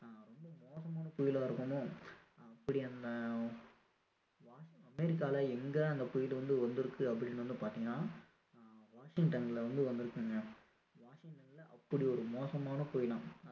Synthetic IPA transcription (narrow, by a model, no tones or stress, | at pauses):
ãːɾɔmbɐmoːsɐmaːnɐpʊjɪlaːɪɾɯkːɐmõɐpːɐɽiɐnd̪ɐ | ʋaːɐmɛɾɪk̬ːaːlɐɛŋɡɐɐnd̪ɐpʊjɪʈɯʋɐnd̪ɯʋɐnd̪ɯɾɯkːɯɐpːɐɽɪnːʋɐnd̪ɯpaːt̪ːiːŋɡɐnaː | ʋaːʂɪŋʈɐnlɐʋɐnd̪ɯʋɐnd̪ɯɾɯkːɯŋɡɐ | ʋaːʂɪŋʈɐnlɐʔɐpːɐɽiɔɾɯmoːsɐmaːnɐpoːjɐlãːm